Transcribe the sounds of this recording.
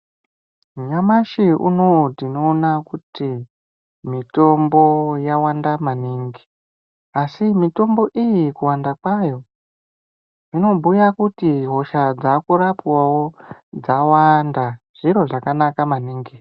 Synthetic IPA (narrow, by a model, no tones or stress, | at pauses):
ɲamaʃiṵno̞tino̞ːnakuti | mito̞mbo̞jawandamaniːŋɡi | asimito̞mbo̞ʔijikuwandakwajo̞ | ino̞bujakutiɦo̞ʃad͡zakuɾapwawod͡zawanda | ʐ̥iɾo̞ʐakanakamaniːŋɡi